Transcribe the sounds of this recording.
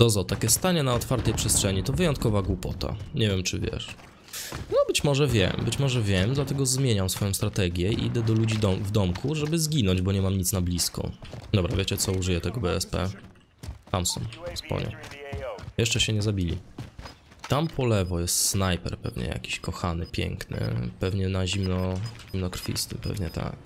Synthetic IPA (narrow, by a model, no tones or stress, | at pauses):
d̪ɔzɔt̪akʲɛst̪aɲɛnaɔt̪faɾt̪ɛjpʂɛstʂɛɲit̪ɔvɘjɔnt̪̚kɔvaɡwupɔt̪ʰa̰ɲɛvʲjɛmt͡ʂɘvʲjɛ̰ʂ | nɔbɘt͡ɕmɔʐɛvʲjɛ̰mbɘt͡ɕmɔʐɛvʲjɛmd̪lat̪ɛɡɔzmʲjeɲamsfɔjɔ̃st̪ɾat̪ɛɡʲjɛḭid̪ɛd̪ɔlud͡ʑid̪ɔvd̪ɔmkʰuʐɛbɘzɡʲinɔ̃ɲd͡ʑbɔɲɛmamɲit̪snablʲiskɔ̰d̪ɔbɾavʲet͡ɕɛt̪sɔuʐɨjɛt̪ɛɡɔbɛɛspɛ̰ | samsṵmspɔ̰ɲɛ̰ | jɛʂt͡ʂɛɕɛɲɛzabʲilʲḭ | t̪ampʰɔlɛvɔjɛst̪snajpɛ̰ɾpɛ̰vɲɛ̰ja̰kʲi̥ɕkɔxanɘpʲjɛ̰ŋknɘ̰pɛvɲɛnaʑimnɔimnɔkɾfʲḭst̪ɘmpɛ̰vɲɛt̪a̰k